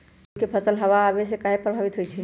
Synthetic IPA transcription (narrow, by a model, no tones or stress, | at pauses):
kepʰəsəlɦəʋaːbesekaɦepɾəbʱabit̪ɦojt͡ʃʰi